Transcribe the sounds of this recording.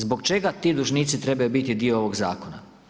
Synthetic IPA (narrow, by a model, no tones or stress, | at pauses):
zbo̞kt͡ʃe̞ɡat̪iːd̪uʒniːt̪sit̪ɾe̞bajubit̪id̪ioo̞ʋo̞ɡza̰ːko̞na̰